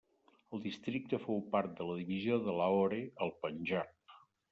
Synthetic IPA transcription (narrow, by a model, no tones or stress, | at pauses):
əlˠd̪ist̪ɾik̚t̪əfowpaɾt̪̚d̪ələðiβizioðəlaoɾeəlˠpənʲʒak